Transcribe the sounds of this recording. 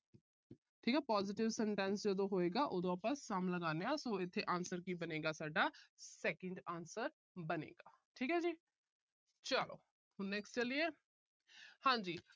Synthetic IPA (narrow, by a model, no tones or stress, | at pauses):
ʈʰiːkɛːpaːzɪʈɪʋsɛɳʈɛ̃ːnsd͡ʒəd̪õːɦoːeːɡaːʔoːd̪õːaːpãːsaːmləɡaːneːaːsõːɪt̪ʰːeːʔãːnsəɾkiːbəneːɡaːsaːɖaːsɛːkəɳɖaːnsəɾ | bənḛːɡaː | ʈʰiːkɦɛːd͡ʒiː | t͡ʃalo̰ː | hʊnnɛːksʈt͡ʃəlieː | hãːd͡ʒiː